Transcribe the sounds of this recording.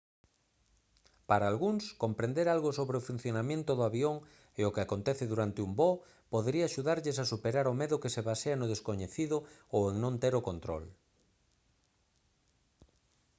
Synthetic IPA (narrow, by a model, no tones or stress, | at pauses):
paɾaːlɣuŋskompɾẽnd̪eɾalɣosoβɾeofun̟θjonamjẽnt̪ʊðoaβjoŋ | ɪʊkɪakont̪ɛθɪðuɾant̪ɪumbɔ | poðɾiaːʃuðaɾʎɪsasupeɾaɾomeðʊkɪseβaseanʊð̞eskoɲeθiðʊoweŋnõnt̪eɾokont̪ɾo̰l